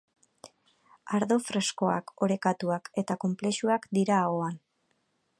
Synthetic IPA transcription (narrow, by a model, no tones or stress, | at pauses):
aɾðo̞fɾe̞sko̞a̰ko̞ɾe̞kat̪uake̞t̪ako̞mple̞ʃuakd̪iɾaːoan